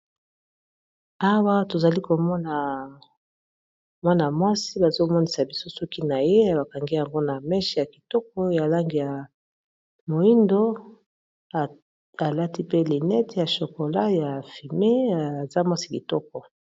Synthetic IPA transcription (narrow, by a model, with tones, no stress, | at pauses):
a˦wa˦to˨za˨li˦ko˨mɔ˦na˨ | mwa˦na˨mwa˦si˦ba˨zo˦mɔ˦ni˨sa˨bi˨so˦sɔ˦ki˦na˨je˦a˨ba˨ka˨ŋɡi˦ja˨ŋɡo˦na˨mɛ˦ʃɛ˦ja˨ki˨tɔ˦k̚ɔ˦ja˨la˦ŋɡi˨ja˨ | mo˨i˦ndo˦˨ | a˨la˦ti˦pe˦li˨nɛ˦tja˨ʃo˨ko˨la˦ja˨fi˨me˦a˨za˦mwa˦si̥˦ki˨tɔ˦k̚ɔ˨